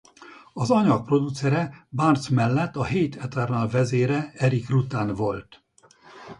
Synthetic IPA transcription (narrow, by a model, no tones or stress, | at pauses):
ɒzɒɲɒk̚pro̞d̪ut̪sɛɾɛbart̪smɛlːɛt̪ːɒɦeːt̪ʰɛt̪ɛrnalvɛzeːɾɛɛɾikrut̪aːnvo̞lt̪